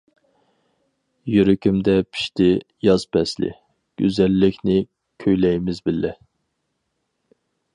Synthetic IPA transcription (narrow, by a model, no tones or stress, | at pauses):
jyɾykʲymd̪ɛpʰi̥ʃt̪ʰɪ | jɑz̥pʰɛslɪ̰ | ɡ̥ʲøzɛlːɪkʲʰnɪ | kʲʰøjlɛjmɪzbɪlːɛ